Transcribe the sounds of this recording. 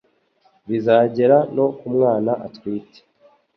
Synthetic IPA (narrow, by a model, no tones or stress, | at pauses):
βizaːɟe̞ɾano̞kumŋaːnaʔa̰twiːte̥